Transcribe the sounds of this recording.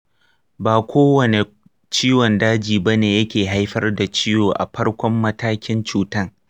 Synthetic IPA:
baː˨kʷʰoː˦wɐ˨ne˨ | t͡ʃiː˦wɔ˨ndaː˦d͡ʒiː˨ba˦neː˨jɐ˦kʲeː˨ɦa˦jɸɐ˦rda˨t͡ʃiː˦joː˨ʔa̰˨ɸɐ˦rkʷɔ˦mːɐ˦taː˦kʲɪ˦nt͡ʃuː˦˨tɐ˦ŋ

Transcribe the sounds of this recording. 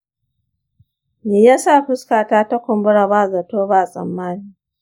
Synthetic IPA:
meː˨jaː˦sa˦˨ɸɪ˦skaː˨taː˦ta˦kʷʊ˨mbʊ˦ɽa˨baː˦˨za˨toː˦ba˦˨sʼɐ̰˨mːaː˦niː˦

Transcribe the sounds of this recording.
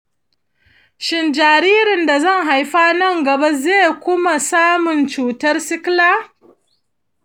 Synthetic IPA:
ʃɪ˨nd͡ʒaː˨ɾiː˦ɾɪ˨nda˨zɐ˦ŋɦa˨jɸaː˦nɐ˦˨ŋɡɐ˨ba˦zeː˦˨kʷʊ˦ma˨saː˦mʊ˨nt͡ʃuː˨tɐ˦rsɪ˦klaː˦

